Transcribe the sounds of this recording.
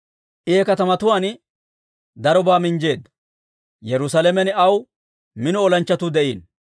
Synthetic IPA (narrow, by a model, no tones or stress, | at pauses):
ʔɪɛkɐt̪ɐmɐt̪ʊwaːn | d̪ɐɾɔbaːmɪɲd͡ʒe̞ːd̪ːɐ | jɛɾʊsɐlɛmɛnɐw | mɪnʊɔlɐnt͡ʃːɐt̪ʊd̪ɛʔḭːn